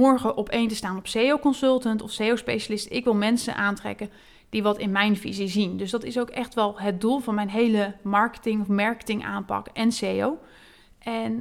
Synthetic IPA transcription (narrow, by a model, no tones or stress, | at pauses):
ɔɹχəʔɔpejntəstaːnɔpsejowkɔnsɵlˠtəntɔfsejowspejʃalɪstɪkʋɪlˠmɛnsə̰nʔaːntrɛ̰kə | d̥iʋɑtɪnmɛjnfḭzizindøs̬dɑtɪsowkɛxtʋɛlˠɦət̚dulˠvɑnmɛjnɦejləmɑɹkə̥tɪŋɔfmɑɹkə̥tɪŋʔa̰ːmpɑ̰kɛnsejow | ʔɛn